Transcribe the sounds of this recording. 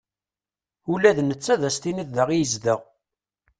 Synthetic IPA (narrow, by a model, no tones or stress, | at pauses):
ulæðnət͡sːæðæst̪iniððəʁijəzd̪əʁ